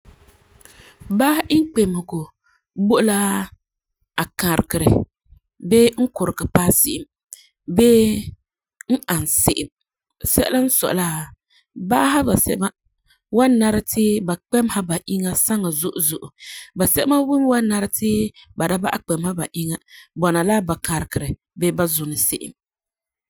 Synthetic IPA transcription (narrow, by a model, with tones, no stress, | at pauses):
ba˦hʔi˦ŋ˦k͡pe˨mhʊ˨ɡo˨ | bo˦la˦ | a˨ka˨ɾɨ˨kɨ˨ɾɨ˨ | be˦ŋ̩˦kʊ˨ɾɨ˨kɨ˨pa˦sɪ˦ʔɪ˨m | beː˦ | ŋ̩˦ʔa˨n˨sɪ˦˨ʔɪ˨m | sɛ˦la˦n̩˦sɔ̰˨la˦ | ba˦ɦa˦ba˨sɛ̰˨˦ba˦ | wa˦nːa˦ɾɨ˦tɪː˦ba˨k͡pɛ˦mha˦ba˨ʔi˦ŋa˦sa˦ŋa˨zʊ˦ʔʊ˨zʊ˨ʔʊ˨ba˨sɛ˦ʔma˦wu˦m˦wa˦nː˦a˦ɾɨ˦tɪː˦ba˨da˦ba˦ʔa˦k͡pɛ˨mha˦ba˨ʔi˦ŋa˦bɔ˨na˨la˦ba˨ka˨ɾɪ˨kɨ˨ɾɨ˨ | beː˦ba˦zʊ˨nɨ˨sɪ̰˦ʔɪ̰˨m